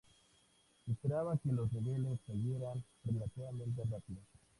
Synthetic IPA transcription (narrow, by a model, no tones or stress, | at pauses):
espeɾaβakelo̞zniβe̞lesːeɣje̞ɾanrrelat̪iβamẽ̞nt̪̬erapiðos